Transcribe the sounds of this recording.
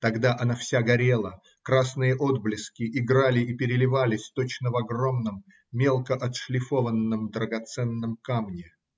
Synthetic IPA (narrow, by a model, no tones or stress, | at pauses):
t̪ɐɡd̪aʔɐnafsʲaɡɐɾʲe̞lˠə | kɾasnɨjəʔod̪̚blʲɪskʲɪʔɪɡɾalʲɪipʲɪɾʲɪlʲɪvalʲɪsʲt̪o̞t͡ɕnəvɐɡro̞mnəmːʲ | elˠkəʔɐt̪ʂlʲɪfo̞vənːəmd̪ɾəɡɐt̪sɛnːəmkamnʲɪ